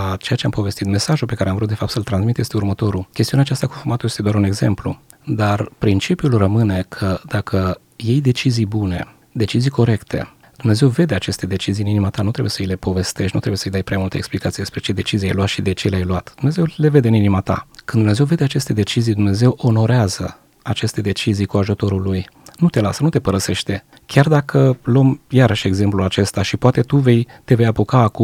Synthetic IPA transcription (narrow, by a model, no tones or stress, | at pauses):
at͡ʃe̞jat͡ʃe̞ampo̞vest̪it̪me̞saʒulpe̞kaɾeamvɾut̪d̪e̞fapt̪səlt̪ɾanzmit̪je̞st̪eurmət̪o̞ɾukʲest̪iuneat͡ʃast̪akufumat̪ujest̪eoaɾune̞ɡze̞mplṵ | d̪arpɾint͡ʃipjulrəmɨne̞kʰəd̪akʰə | je̞jd̪e̞t͡ʃizijbune̞̰ | d̪e̞t͡ʃizijkʰo̞ɾe̞kt̪ʰe̞̰ | d̪̥umne̞ze̞wve̞d̪e̞at͡ʃe̞st̪e̞d̪e̞t͡ʃizijɨninimat̪anut̪ɾe̞bujesəjle̞po̞ve̞st̪eʃnṵt̪ɾe̞bujsəjd̪ajpɾeamult̪ə̰eksplikat̪sijd̪espɾe̞t͡ʃe̞d̪e̞t͡ʃizia̰jluat̪ʃid̪e̞t͡ʃe̞lajluat̪d̪̥umne̞ze̞wle̞ve̞d̪eɨninimat̪a̰kɨnd̪umne̞zewve̞d̪e̞at͡ʃe̞st̪e̞d̪e̞t͡ʃizijd̪umne̞ze̞wʔo̞no̞ɾeazə | at͡ʃe̞st̪e̞d̪e̞t͡ʃizijkuaʒut̪o̞ɾuluj | nut̪e̞lasənut̪e̞pəɾəse̞ʃt̪e̞ | kʲard̪akʰəlo̞mjaɾəʃe̞ɡze̞mplulat͡ʃe̞st̪aʃipoat̪e̞t̪uve̞jt̪e̞ve̞japokaːkum